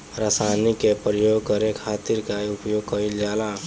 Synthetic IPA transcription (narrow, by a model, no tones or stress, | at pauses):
ɾaːsaːnikepɾəjoːɡ̚kəɾekʰaːt̪ɪɾkaʊpjoːɡ̚kəild͡ʒaːla